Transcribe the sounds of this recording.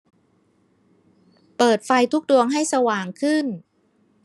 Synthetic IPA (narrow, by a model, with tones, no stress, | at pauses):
pɤː˨˩t̪̚fa˧jt̪ʰu˦˥k̚du˧əŋɦa˥˩jsa˧waː˨˩ŋkʰɯ˥˩n